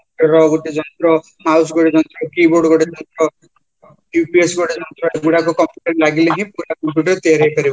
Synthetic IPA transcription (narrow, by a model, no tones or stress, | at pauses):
pʈɔɾɔɡɔʈid͡ʒɔnt̪ɾɔ | mausɡɔʈid͡ʒɔnt̪ɾɔkiboɾɖɡɔɽid͡ʒɔnt̪ɾɔ | upiesɡɔʈid͡ʒɔnt̪ɾɔeɡuɽakukɔmpjuʈɐɾlaɡileɦĩpuɾakɔmpjuʈɔɾt̪iaɾeɦjpaɾi